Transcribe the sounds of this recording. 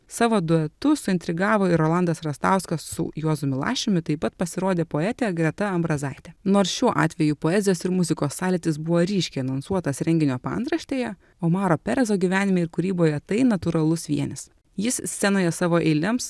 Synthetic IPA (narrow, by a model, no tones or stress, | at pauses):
sɑːʋoːd̪ʊɛt̪ʊsʊɪnt̪ʲɾʲɪɡɑːʋoːɪɾoːlˠɐnd̪ɐsɾɐst̪ɑˑʊskɐsːʊ̰joːzʊmʲɪlˠɑ̰ːʃʲɪmʲɪt̪ɐɪpɐt̪̚pɐsʲɪɾoːd̪ʲeːpoːɛːt̪ʲɛɛɡɾʲɛt̪ɐɐmbɾɐzɐɪt̪ʲɛnoːɾsʃʲuɔʔɑ̰ːt̪ʲʋʲɛjupoːɛzʲɪjoːsɪɾmʊzʲɪkoːsːɑːlʲɪt̪ʲɪsbʊʋoːɾʲiːʃʲkʲɛɪɐnɐnsuɔt̪ɐsɾʲɛŋʲɡʲɪnʲoːpɐ̰nd̪ɾɐʃʲt̪ʲeːjɛ | oːmɑːɾoːpʲɛɾʲɛzoːɡʲiʋʲæːnʲɪmʲeːɪɾkʊɾʲiːboːjɛt̪ɐɪnɐt̪ʊɾɐlˠʊsʋʲiɛnʲɪs | jɪsʲsʲɛnoːjɛsɑːʋoːʔɛɪlʲɪms